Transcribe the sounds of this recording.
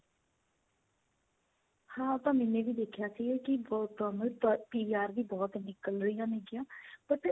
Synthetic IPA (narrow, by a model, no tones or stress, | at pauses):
hãːʊt̪ãːmɛːnẽːʋiːd̪eːkʰjaːsiːɡeːkɪbɔːt̪ːaːnũːt̪ːpiːiːaːɾd̪iːbɔːt̪nɪkəlɾəɪjãːneːɡɪjãːpəʈ